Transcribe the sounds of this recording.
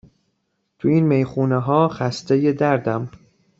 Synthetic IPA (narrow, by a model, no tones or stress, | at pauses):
t̪ʰuiːnmejxuːneɦɒːxæst̪ejed̪æɾd̪æm